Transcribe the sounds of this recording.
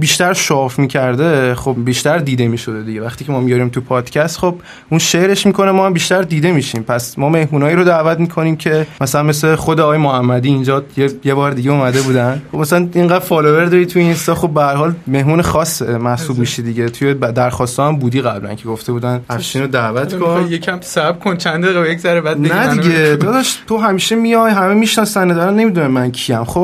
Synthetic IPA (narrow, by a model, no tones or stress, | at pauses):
biːʃt̪æɾʃɒfmiːcʰæɾd̪e̞χobbiːʃt̪æɾd̪iːd̪e̞miːʃo̞d̪e̞d̪iɟevæχt̪iːcʰe̞mɒːmijɒɾiːmt̪ʰupʰɒːd̪̥cʰæst̪χob̥̚ | unʃeʔɾeʃmiːkʰo̞nemɒːhæmbiːʃt̪æɾd̪iːd̪e̞miːʃimpʰæsmɒːme̞hmuːnɒːjiːɾod̪æːvæt̪miːkʰo̞niːmcʰe̞mæsælænmesleχo̞d̪eɒɣːjemohæmːæd̪iːnd͡ʒɒjejebɒːɾd̪iɟeumæd̪e̞buːd̪ænχobmæsælænʔiŋɢæd̪̥fɒlove̞ɾd̪ɒɾit̪ʰujeinst̪ɒxo̞b̚ːehæɾɦɒːlme̞hmuːnexɒːsmæhsuːbmiʃid̪iɟet̪ʰujed̪æɾxɒːst̪ʰɒːæmbuːd̪iːɣæblæ̰ncʰe̞ɡo̞ft̪e̞buːd̪ænʔæfʃiːnod̪ævæt̪ʰkʰonjekʰæmsæbkʰont͡ʃʰænd̪eɣejekzæɾebæd̪nenæd̪iɡebed̪ɒʃt̪ʰoɦæmiːʃemijɒjɦæmemiʃnɒːsænːæd̪ɒɾænːe̞mid̪uːnæmːæncʰiæmxob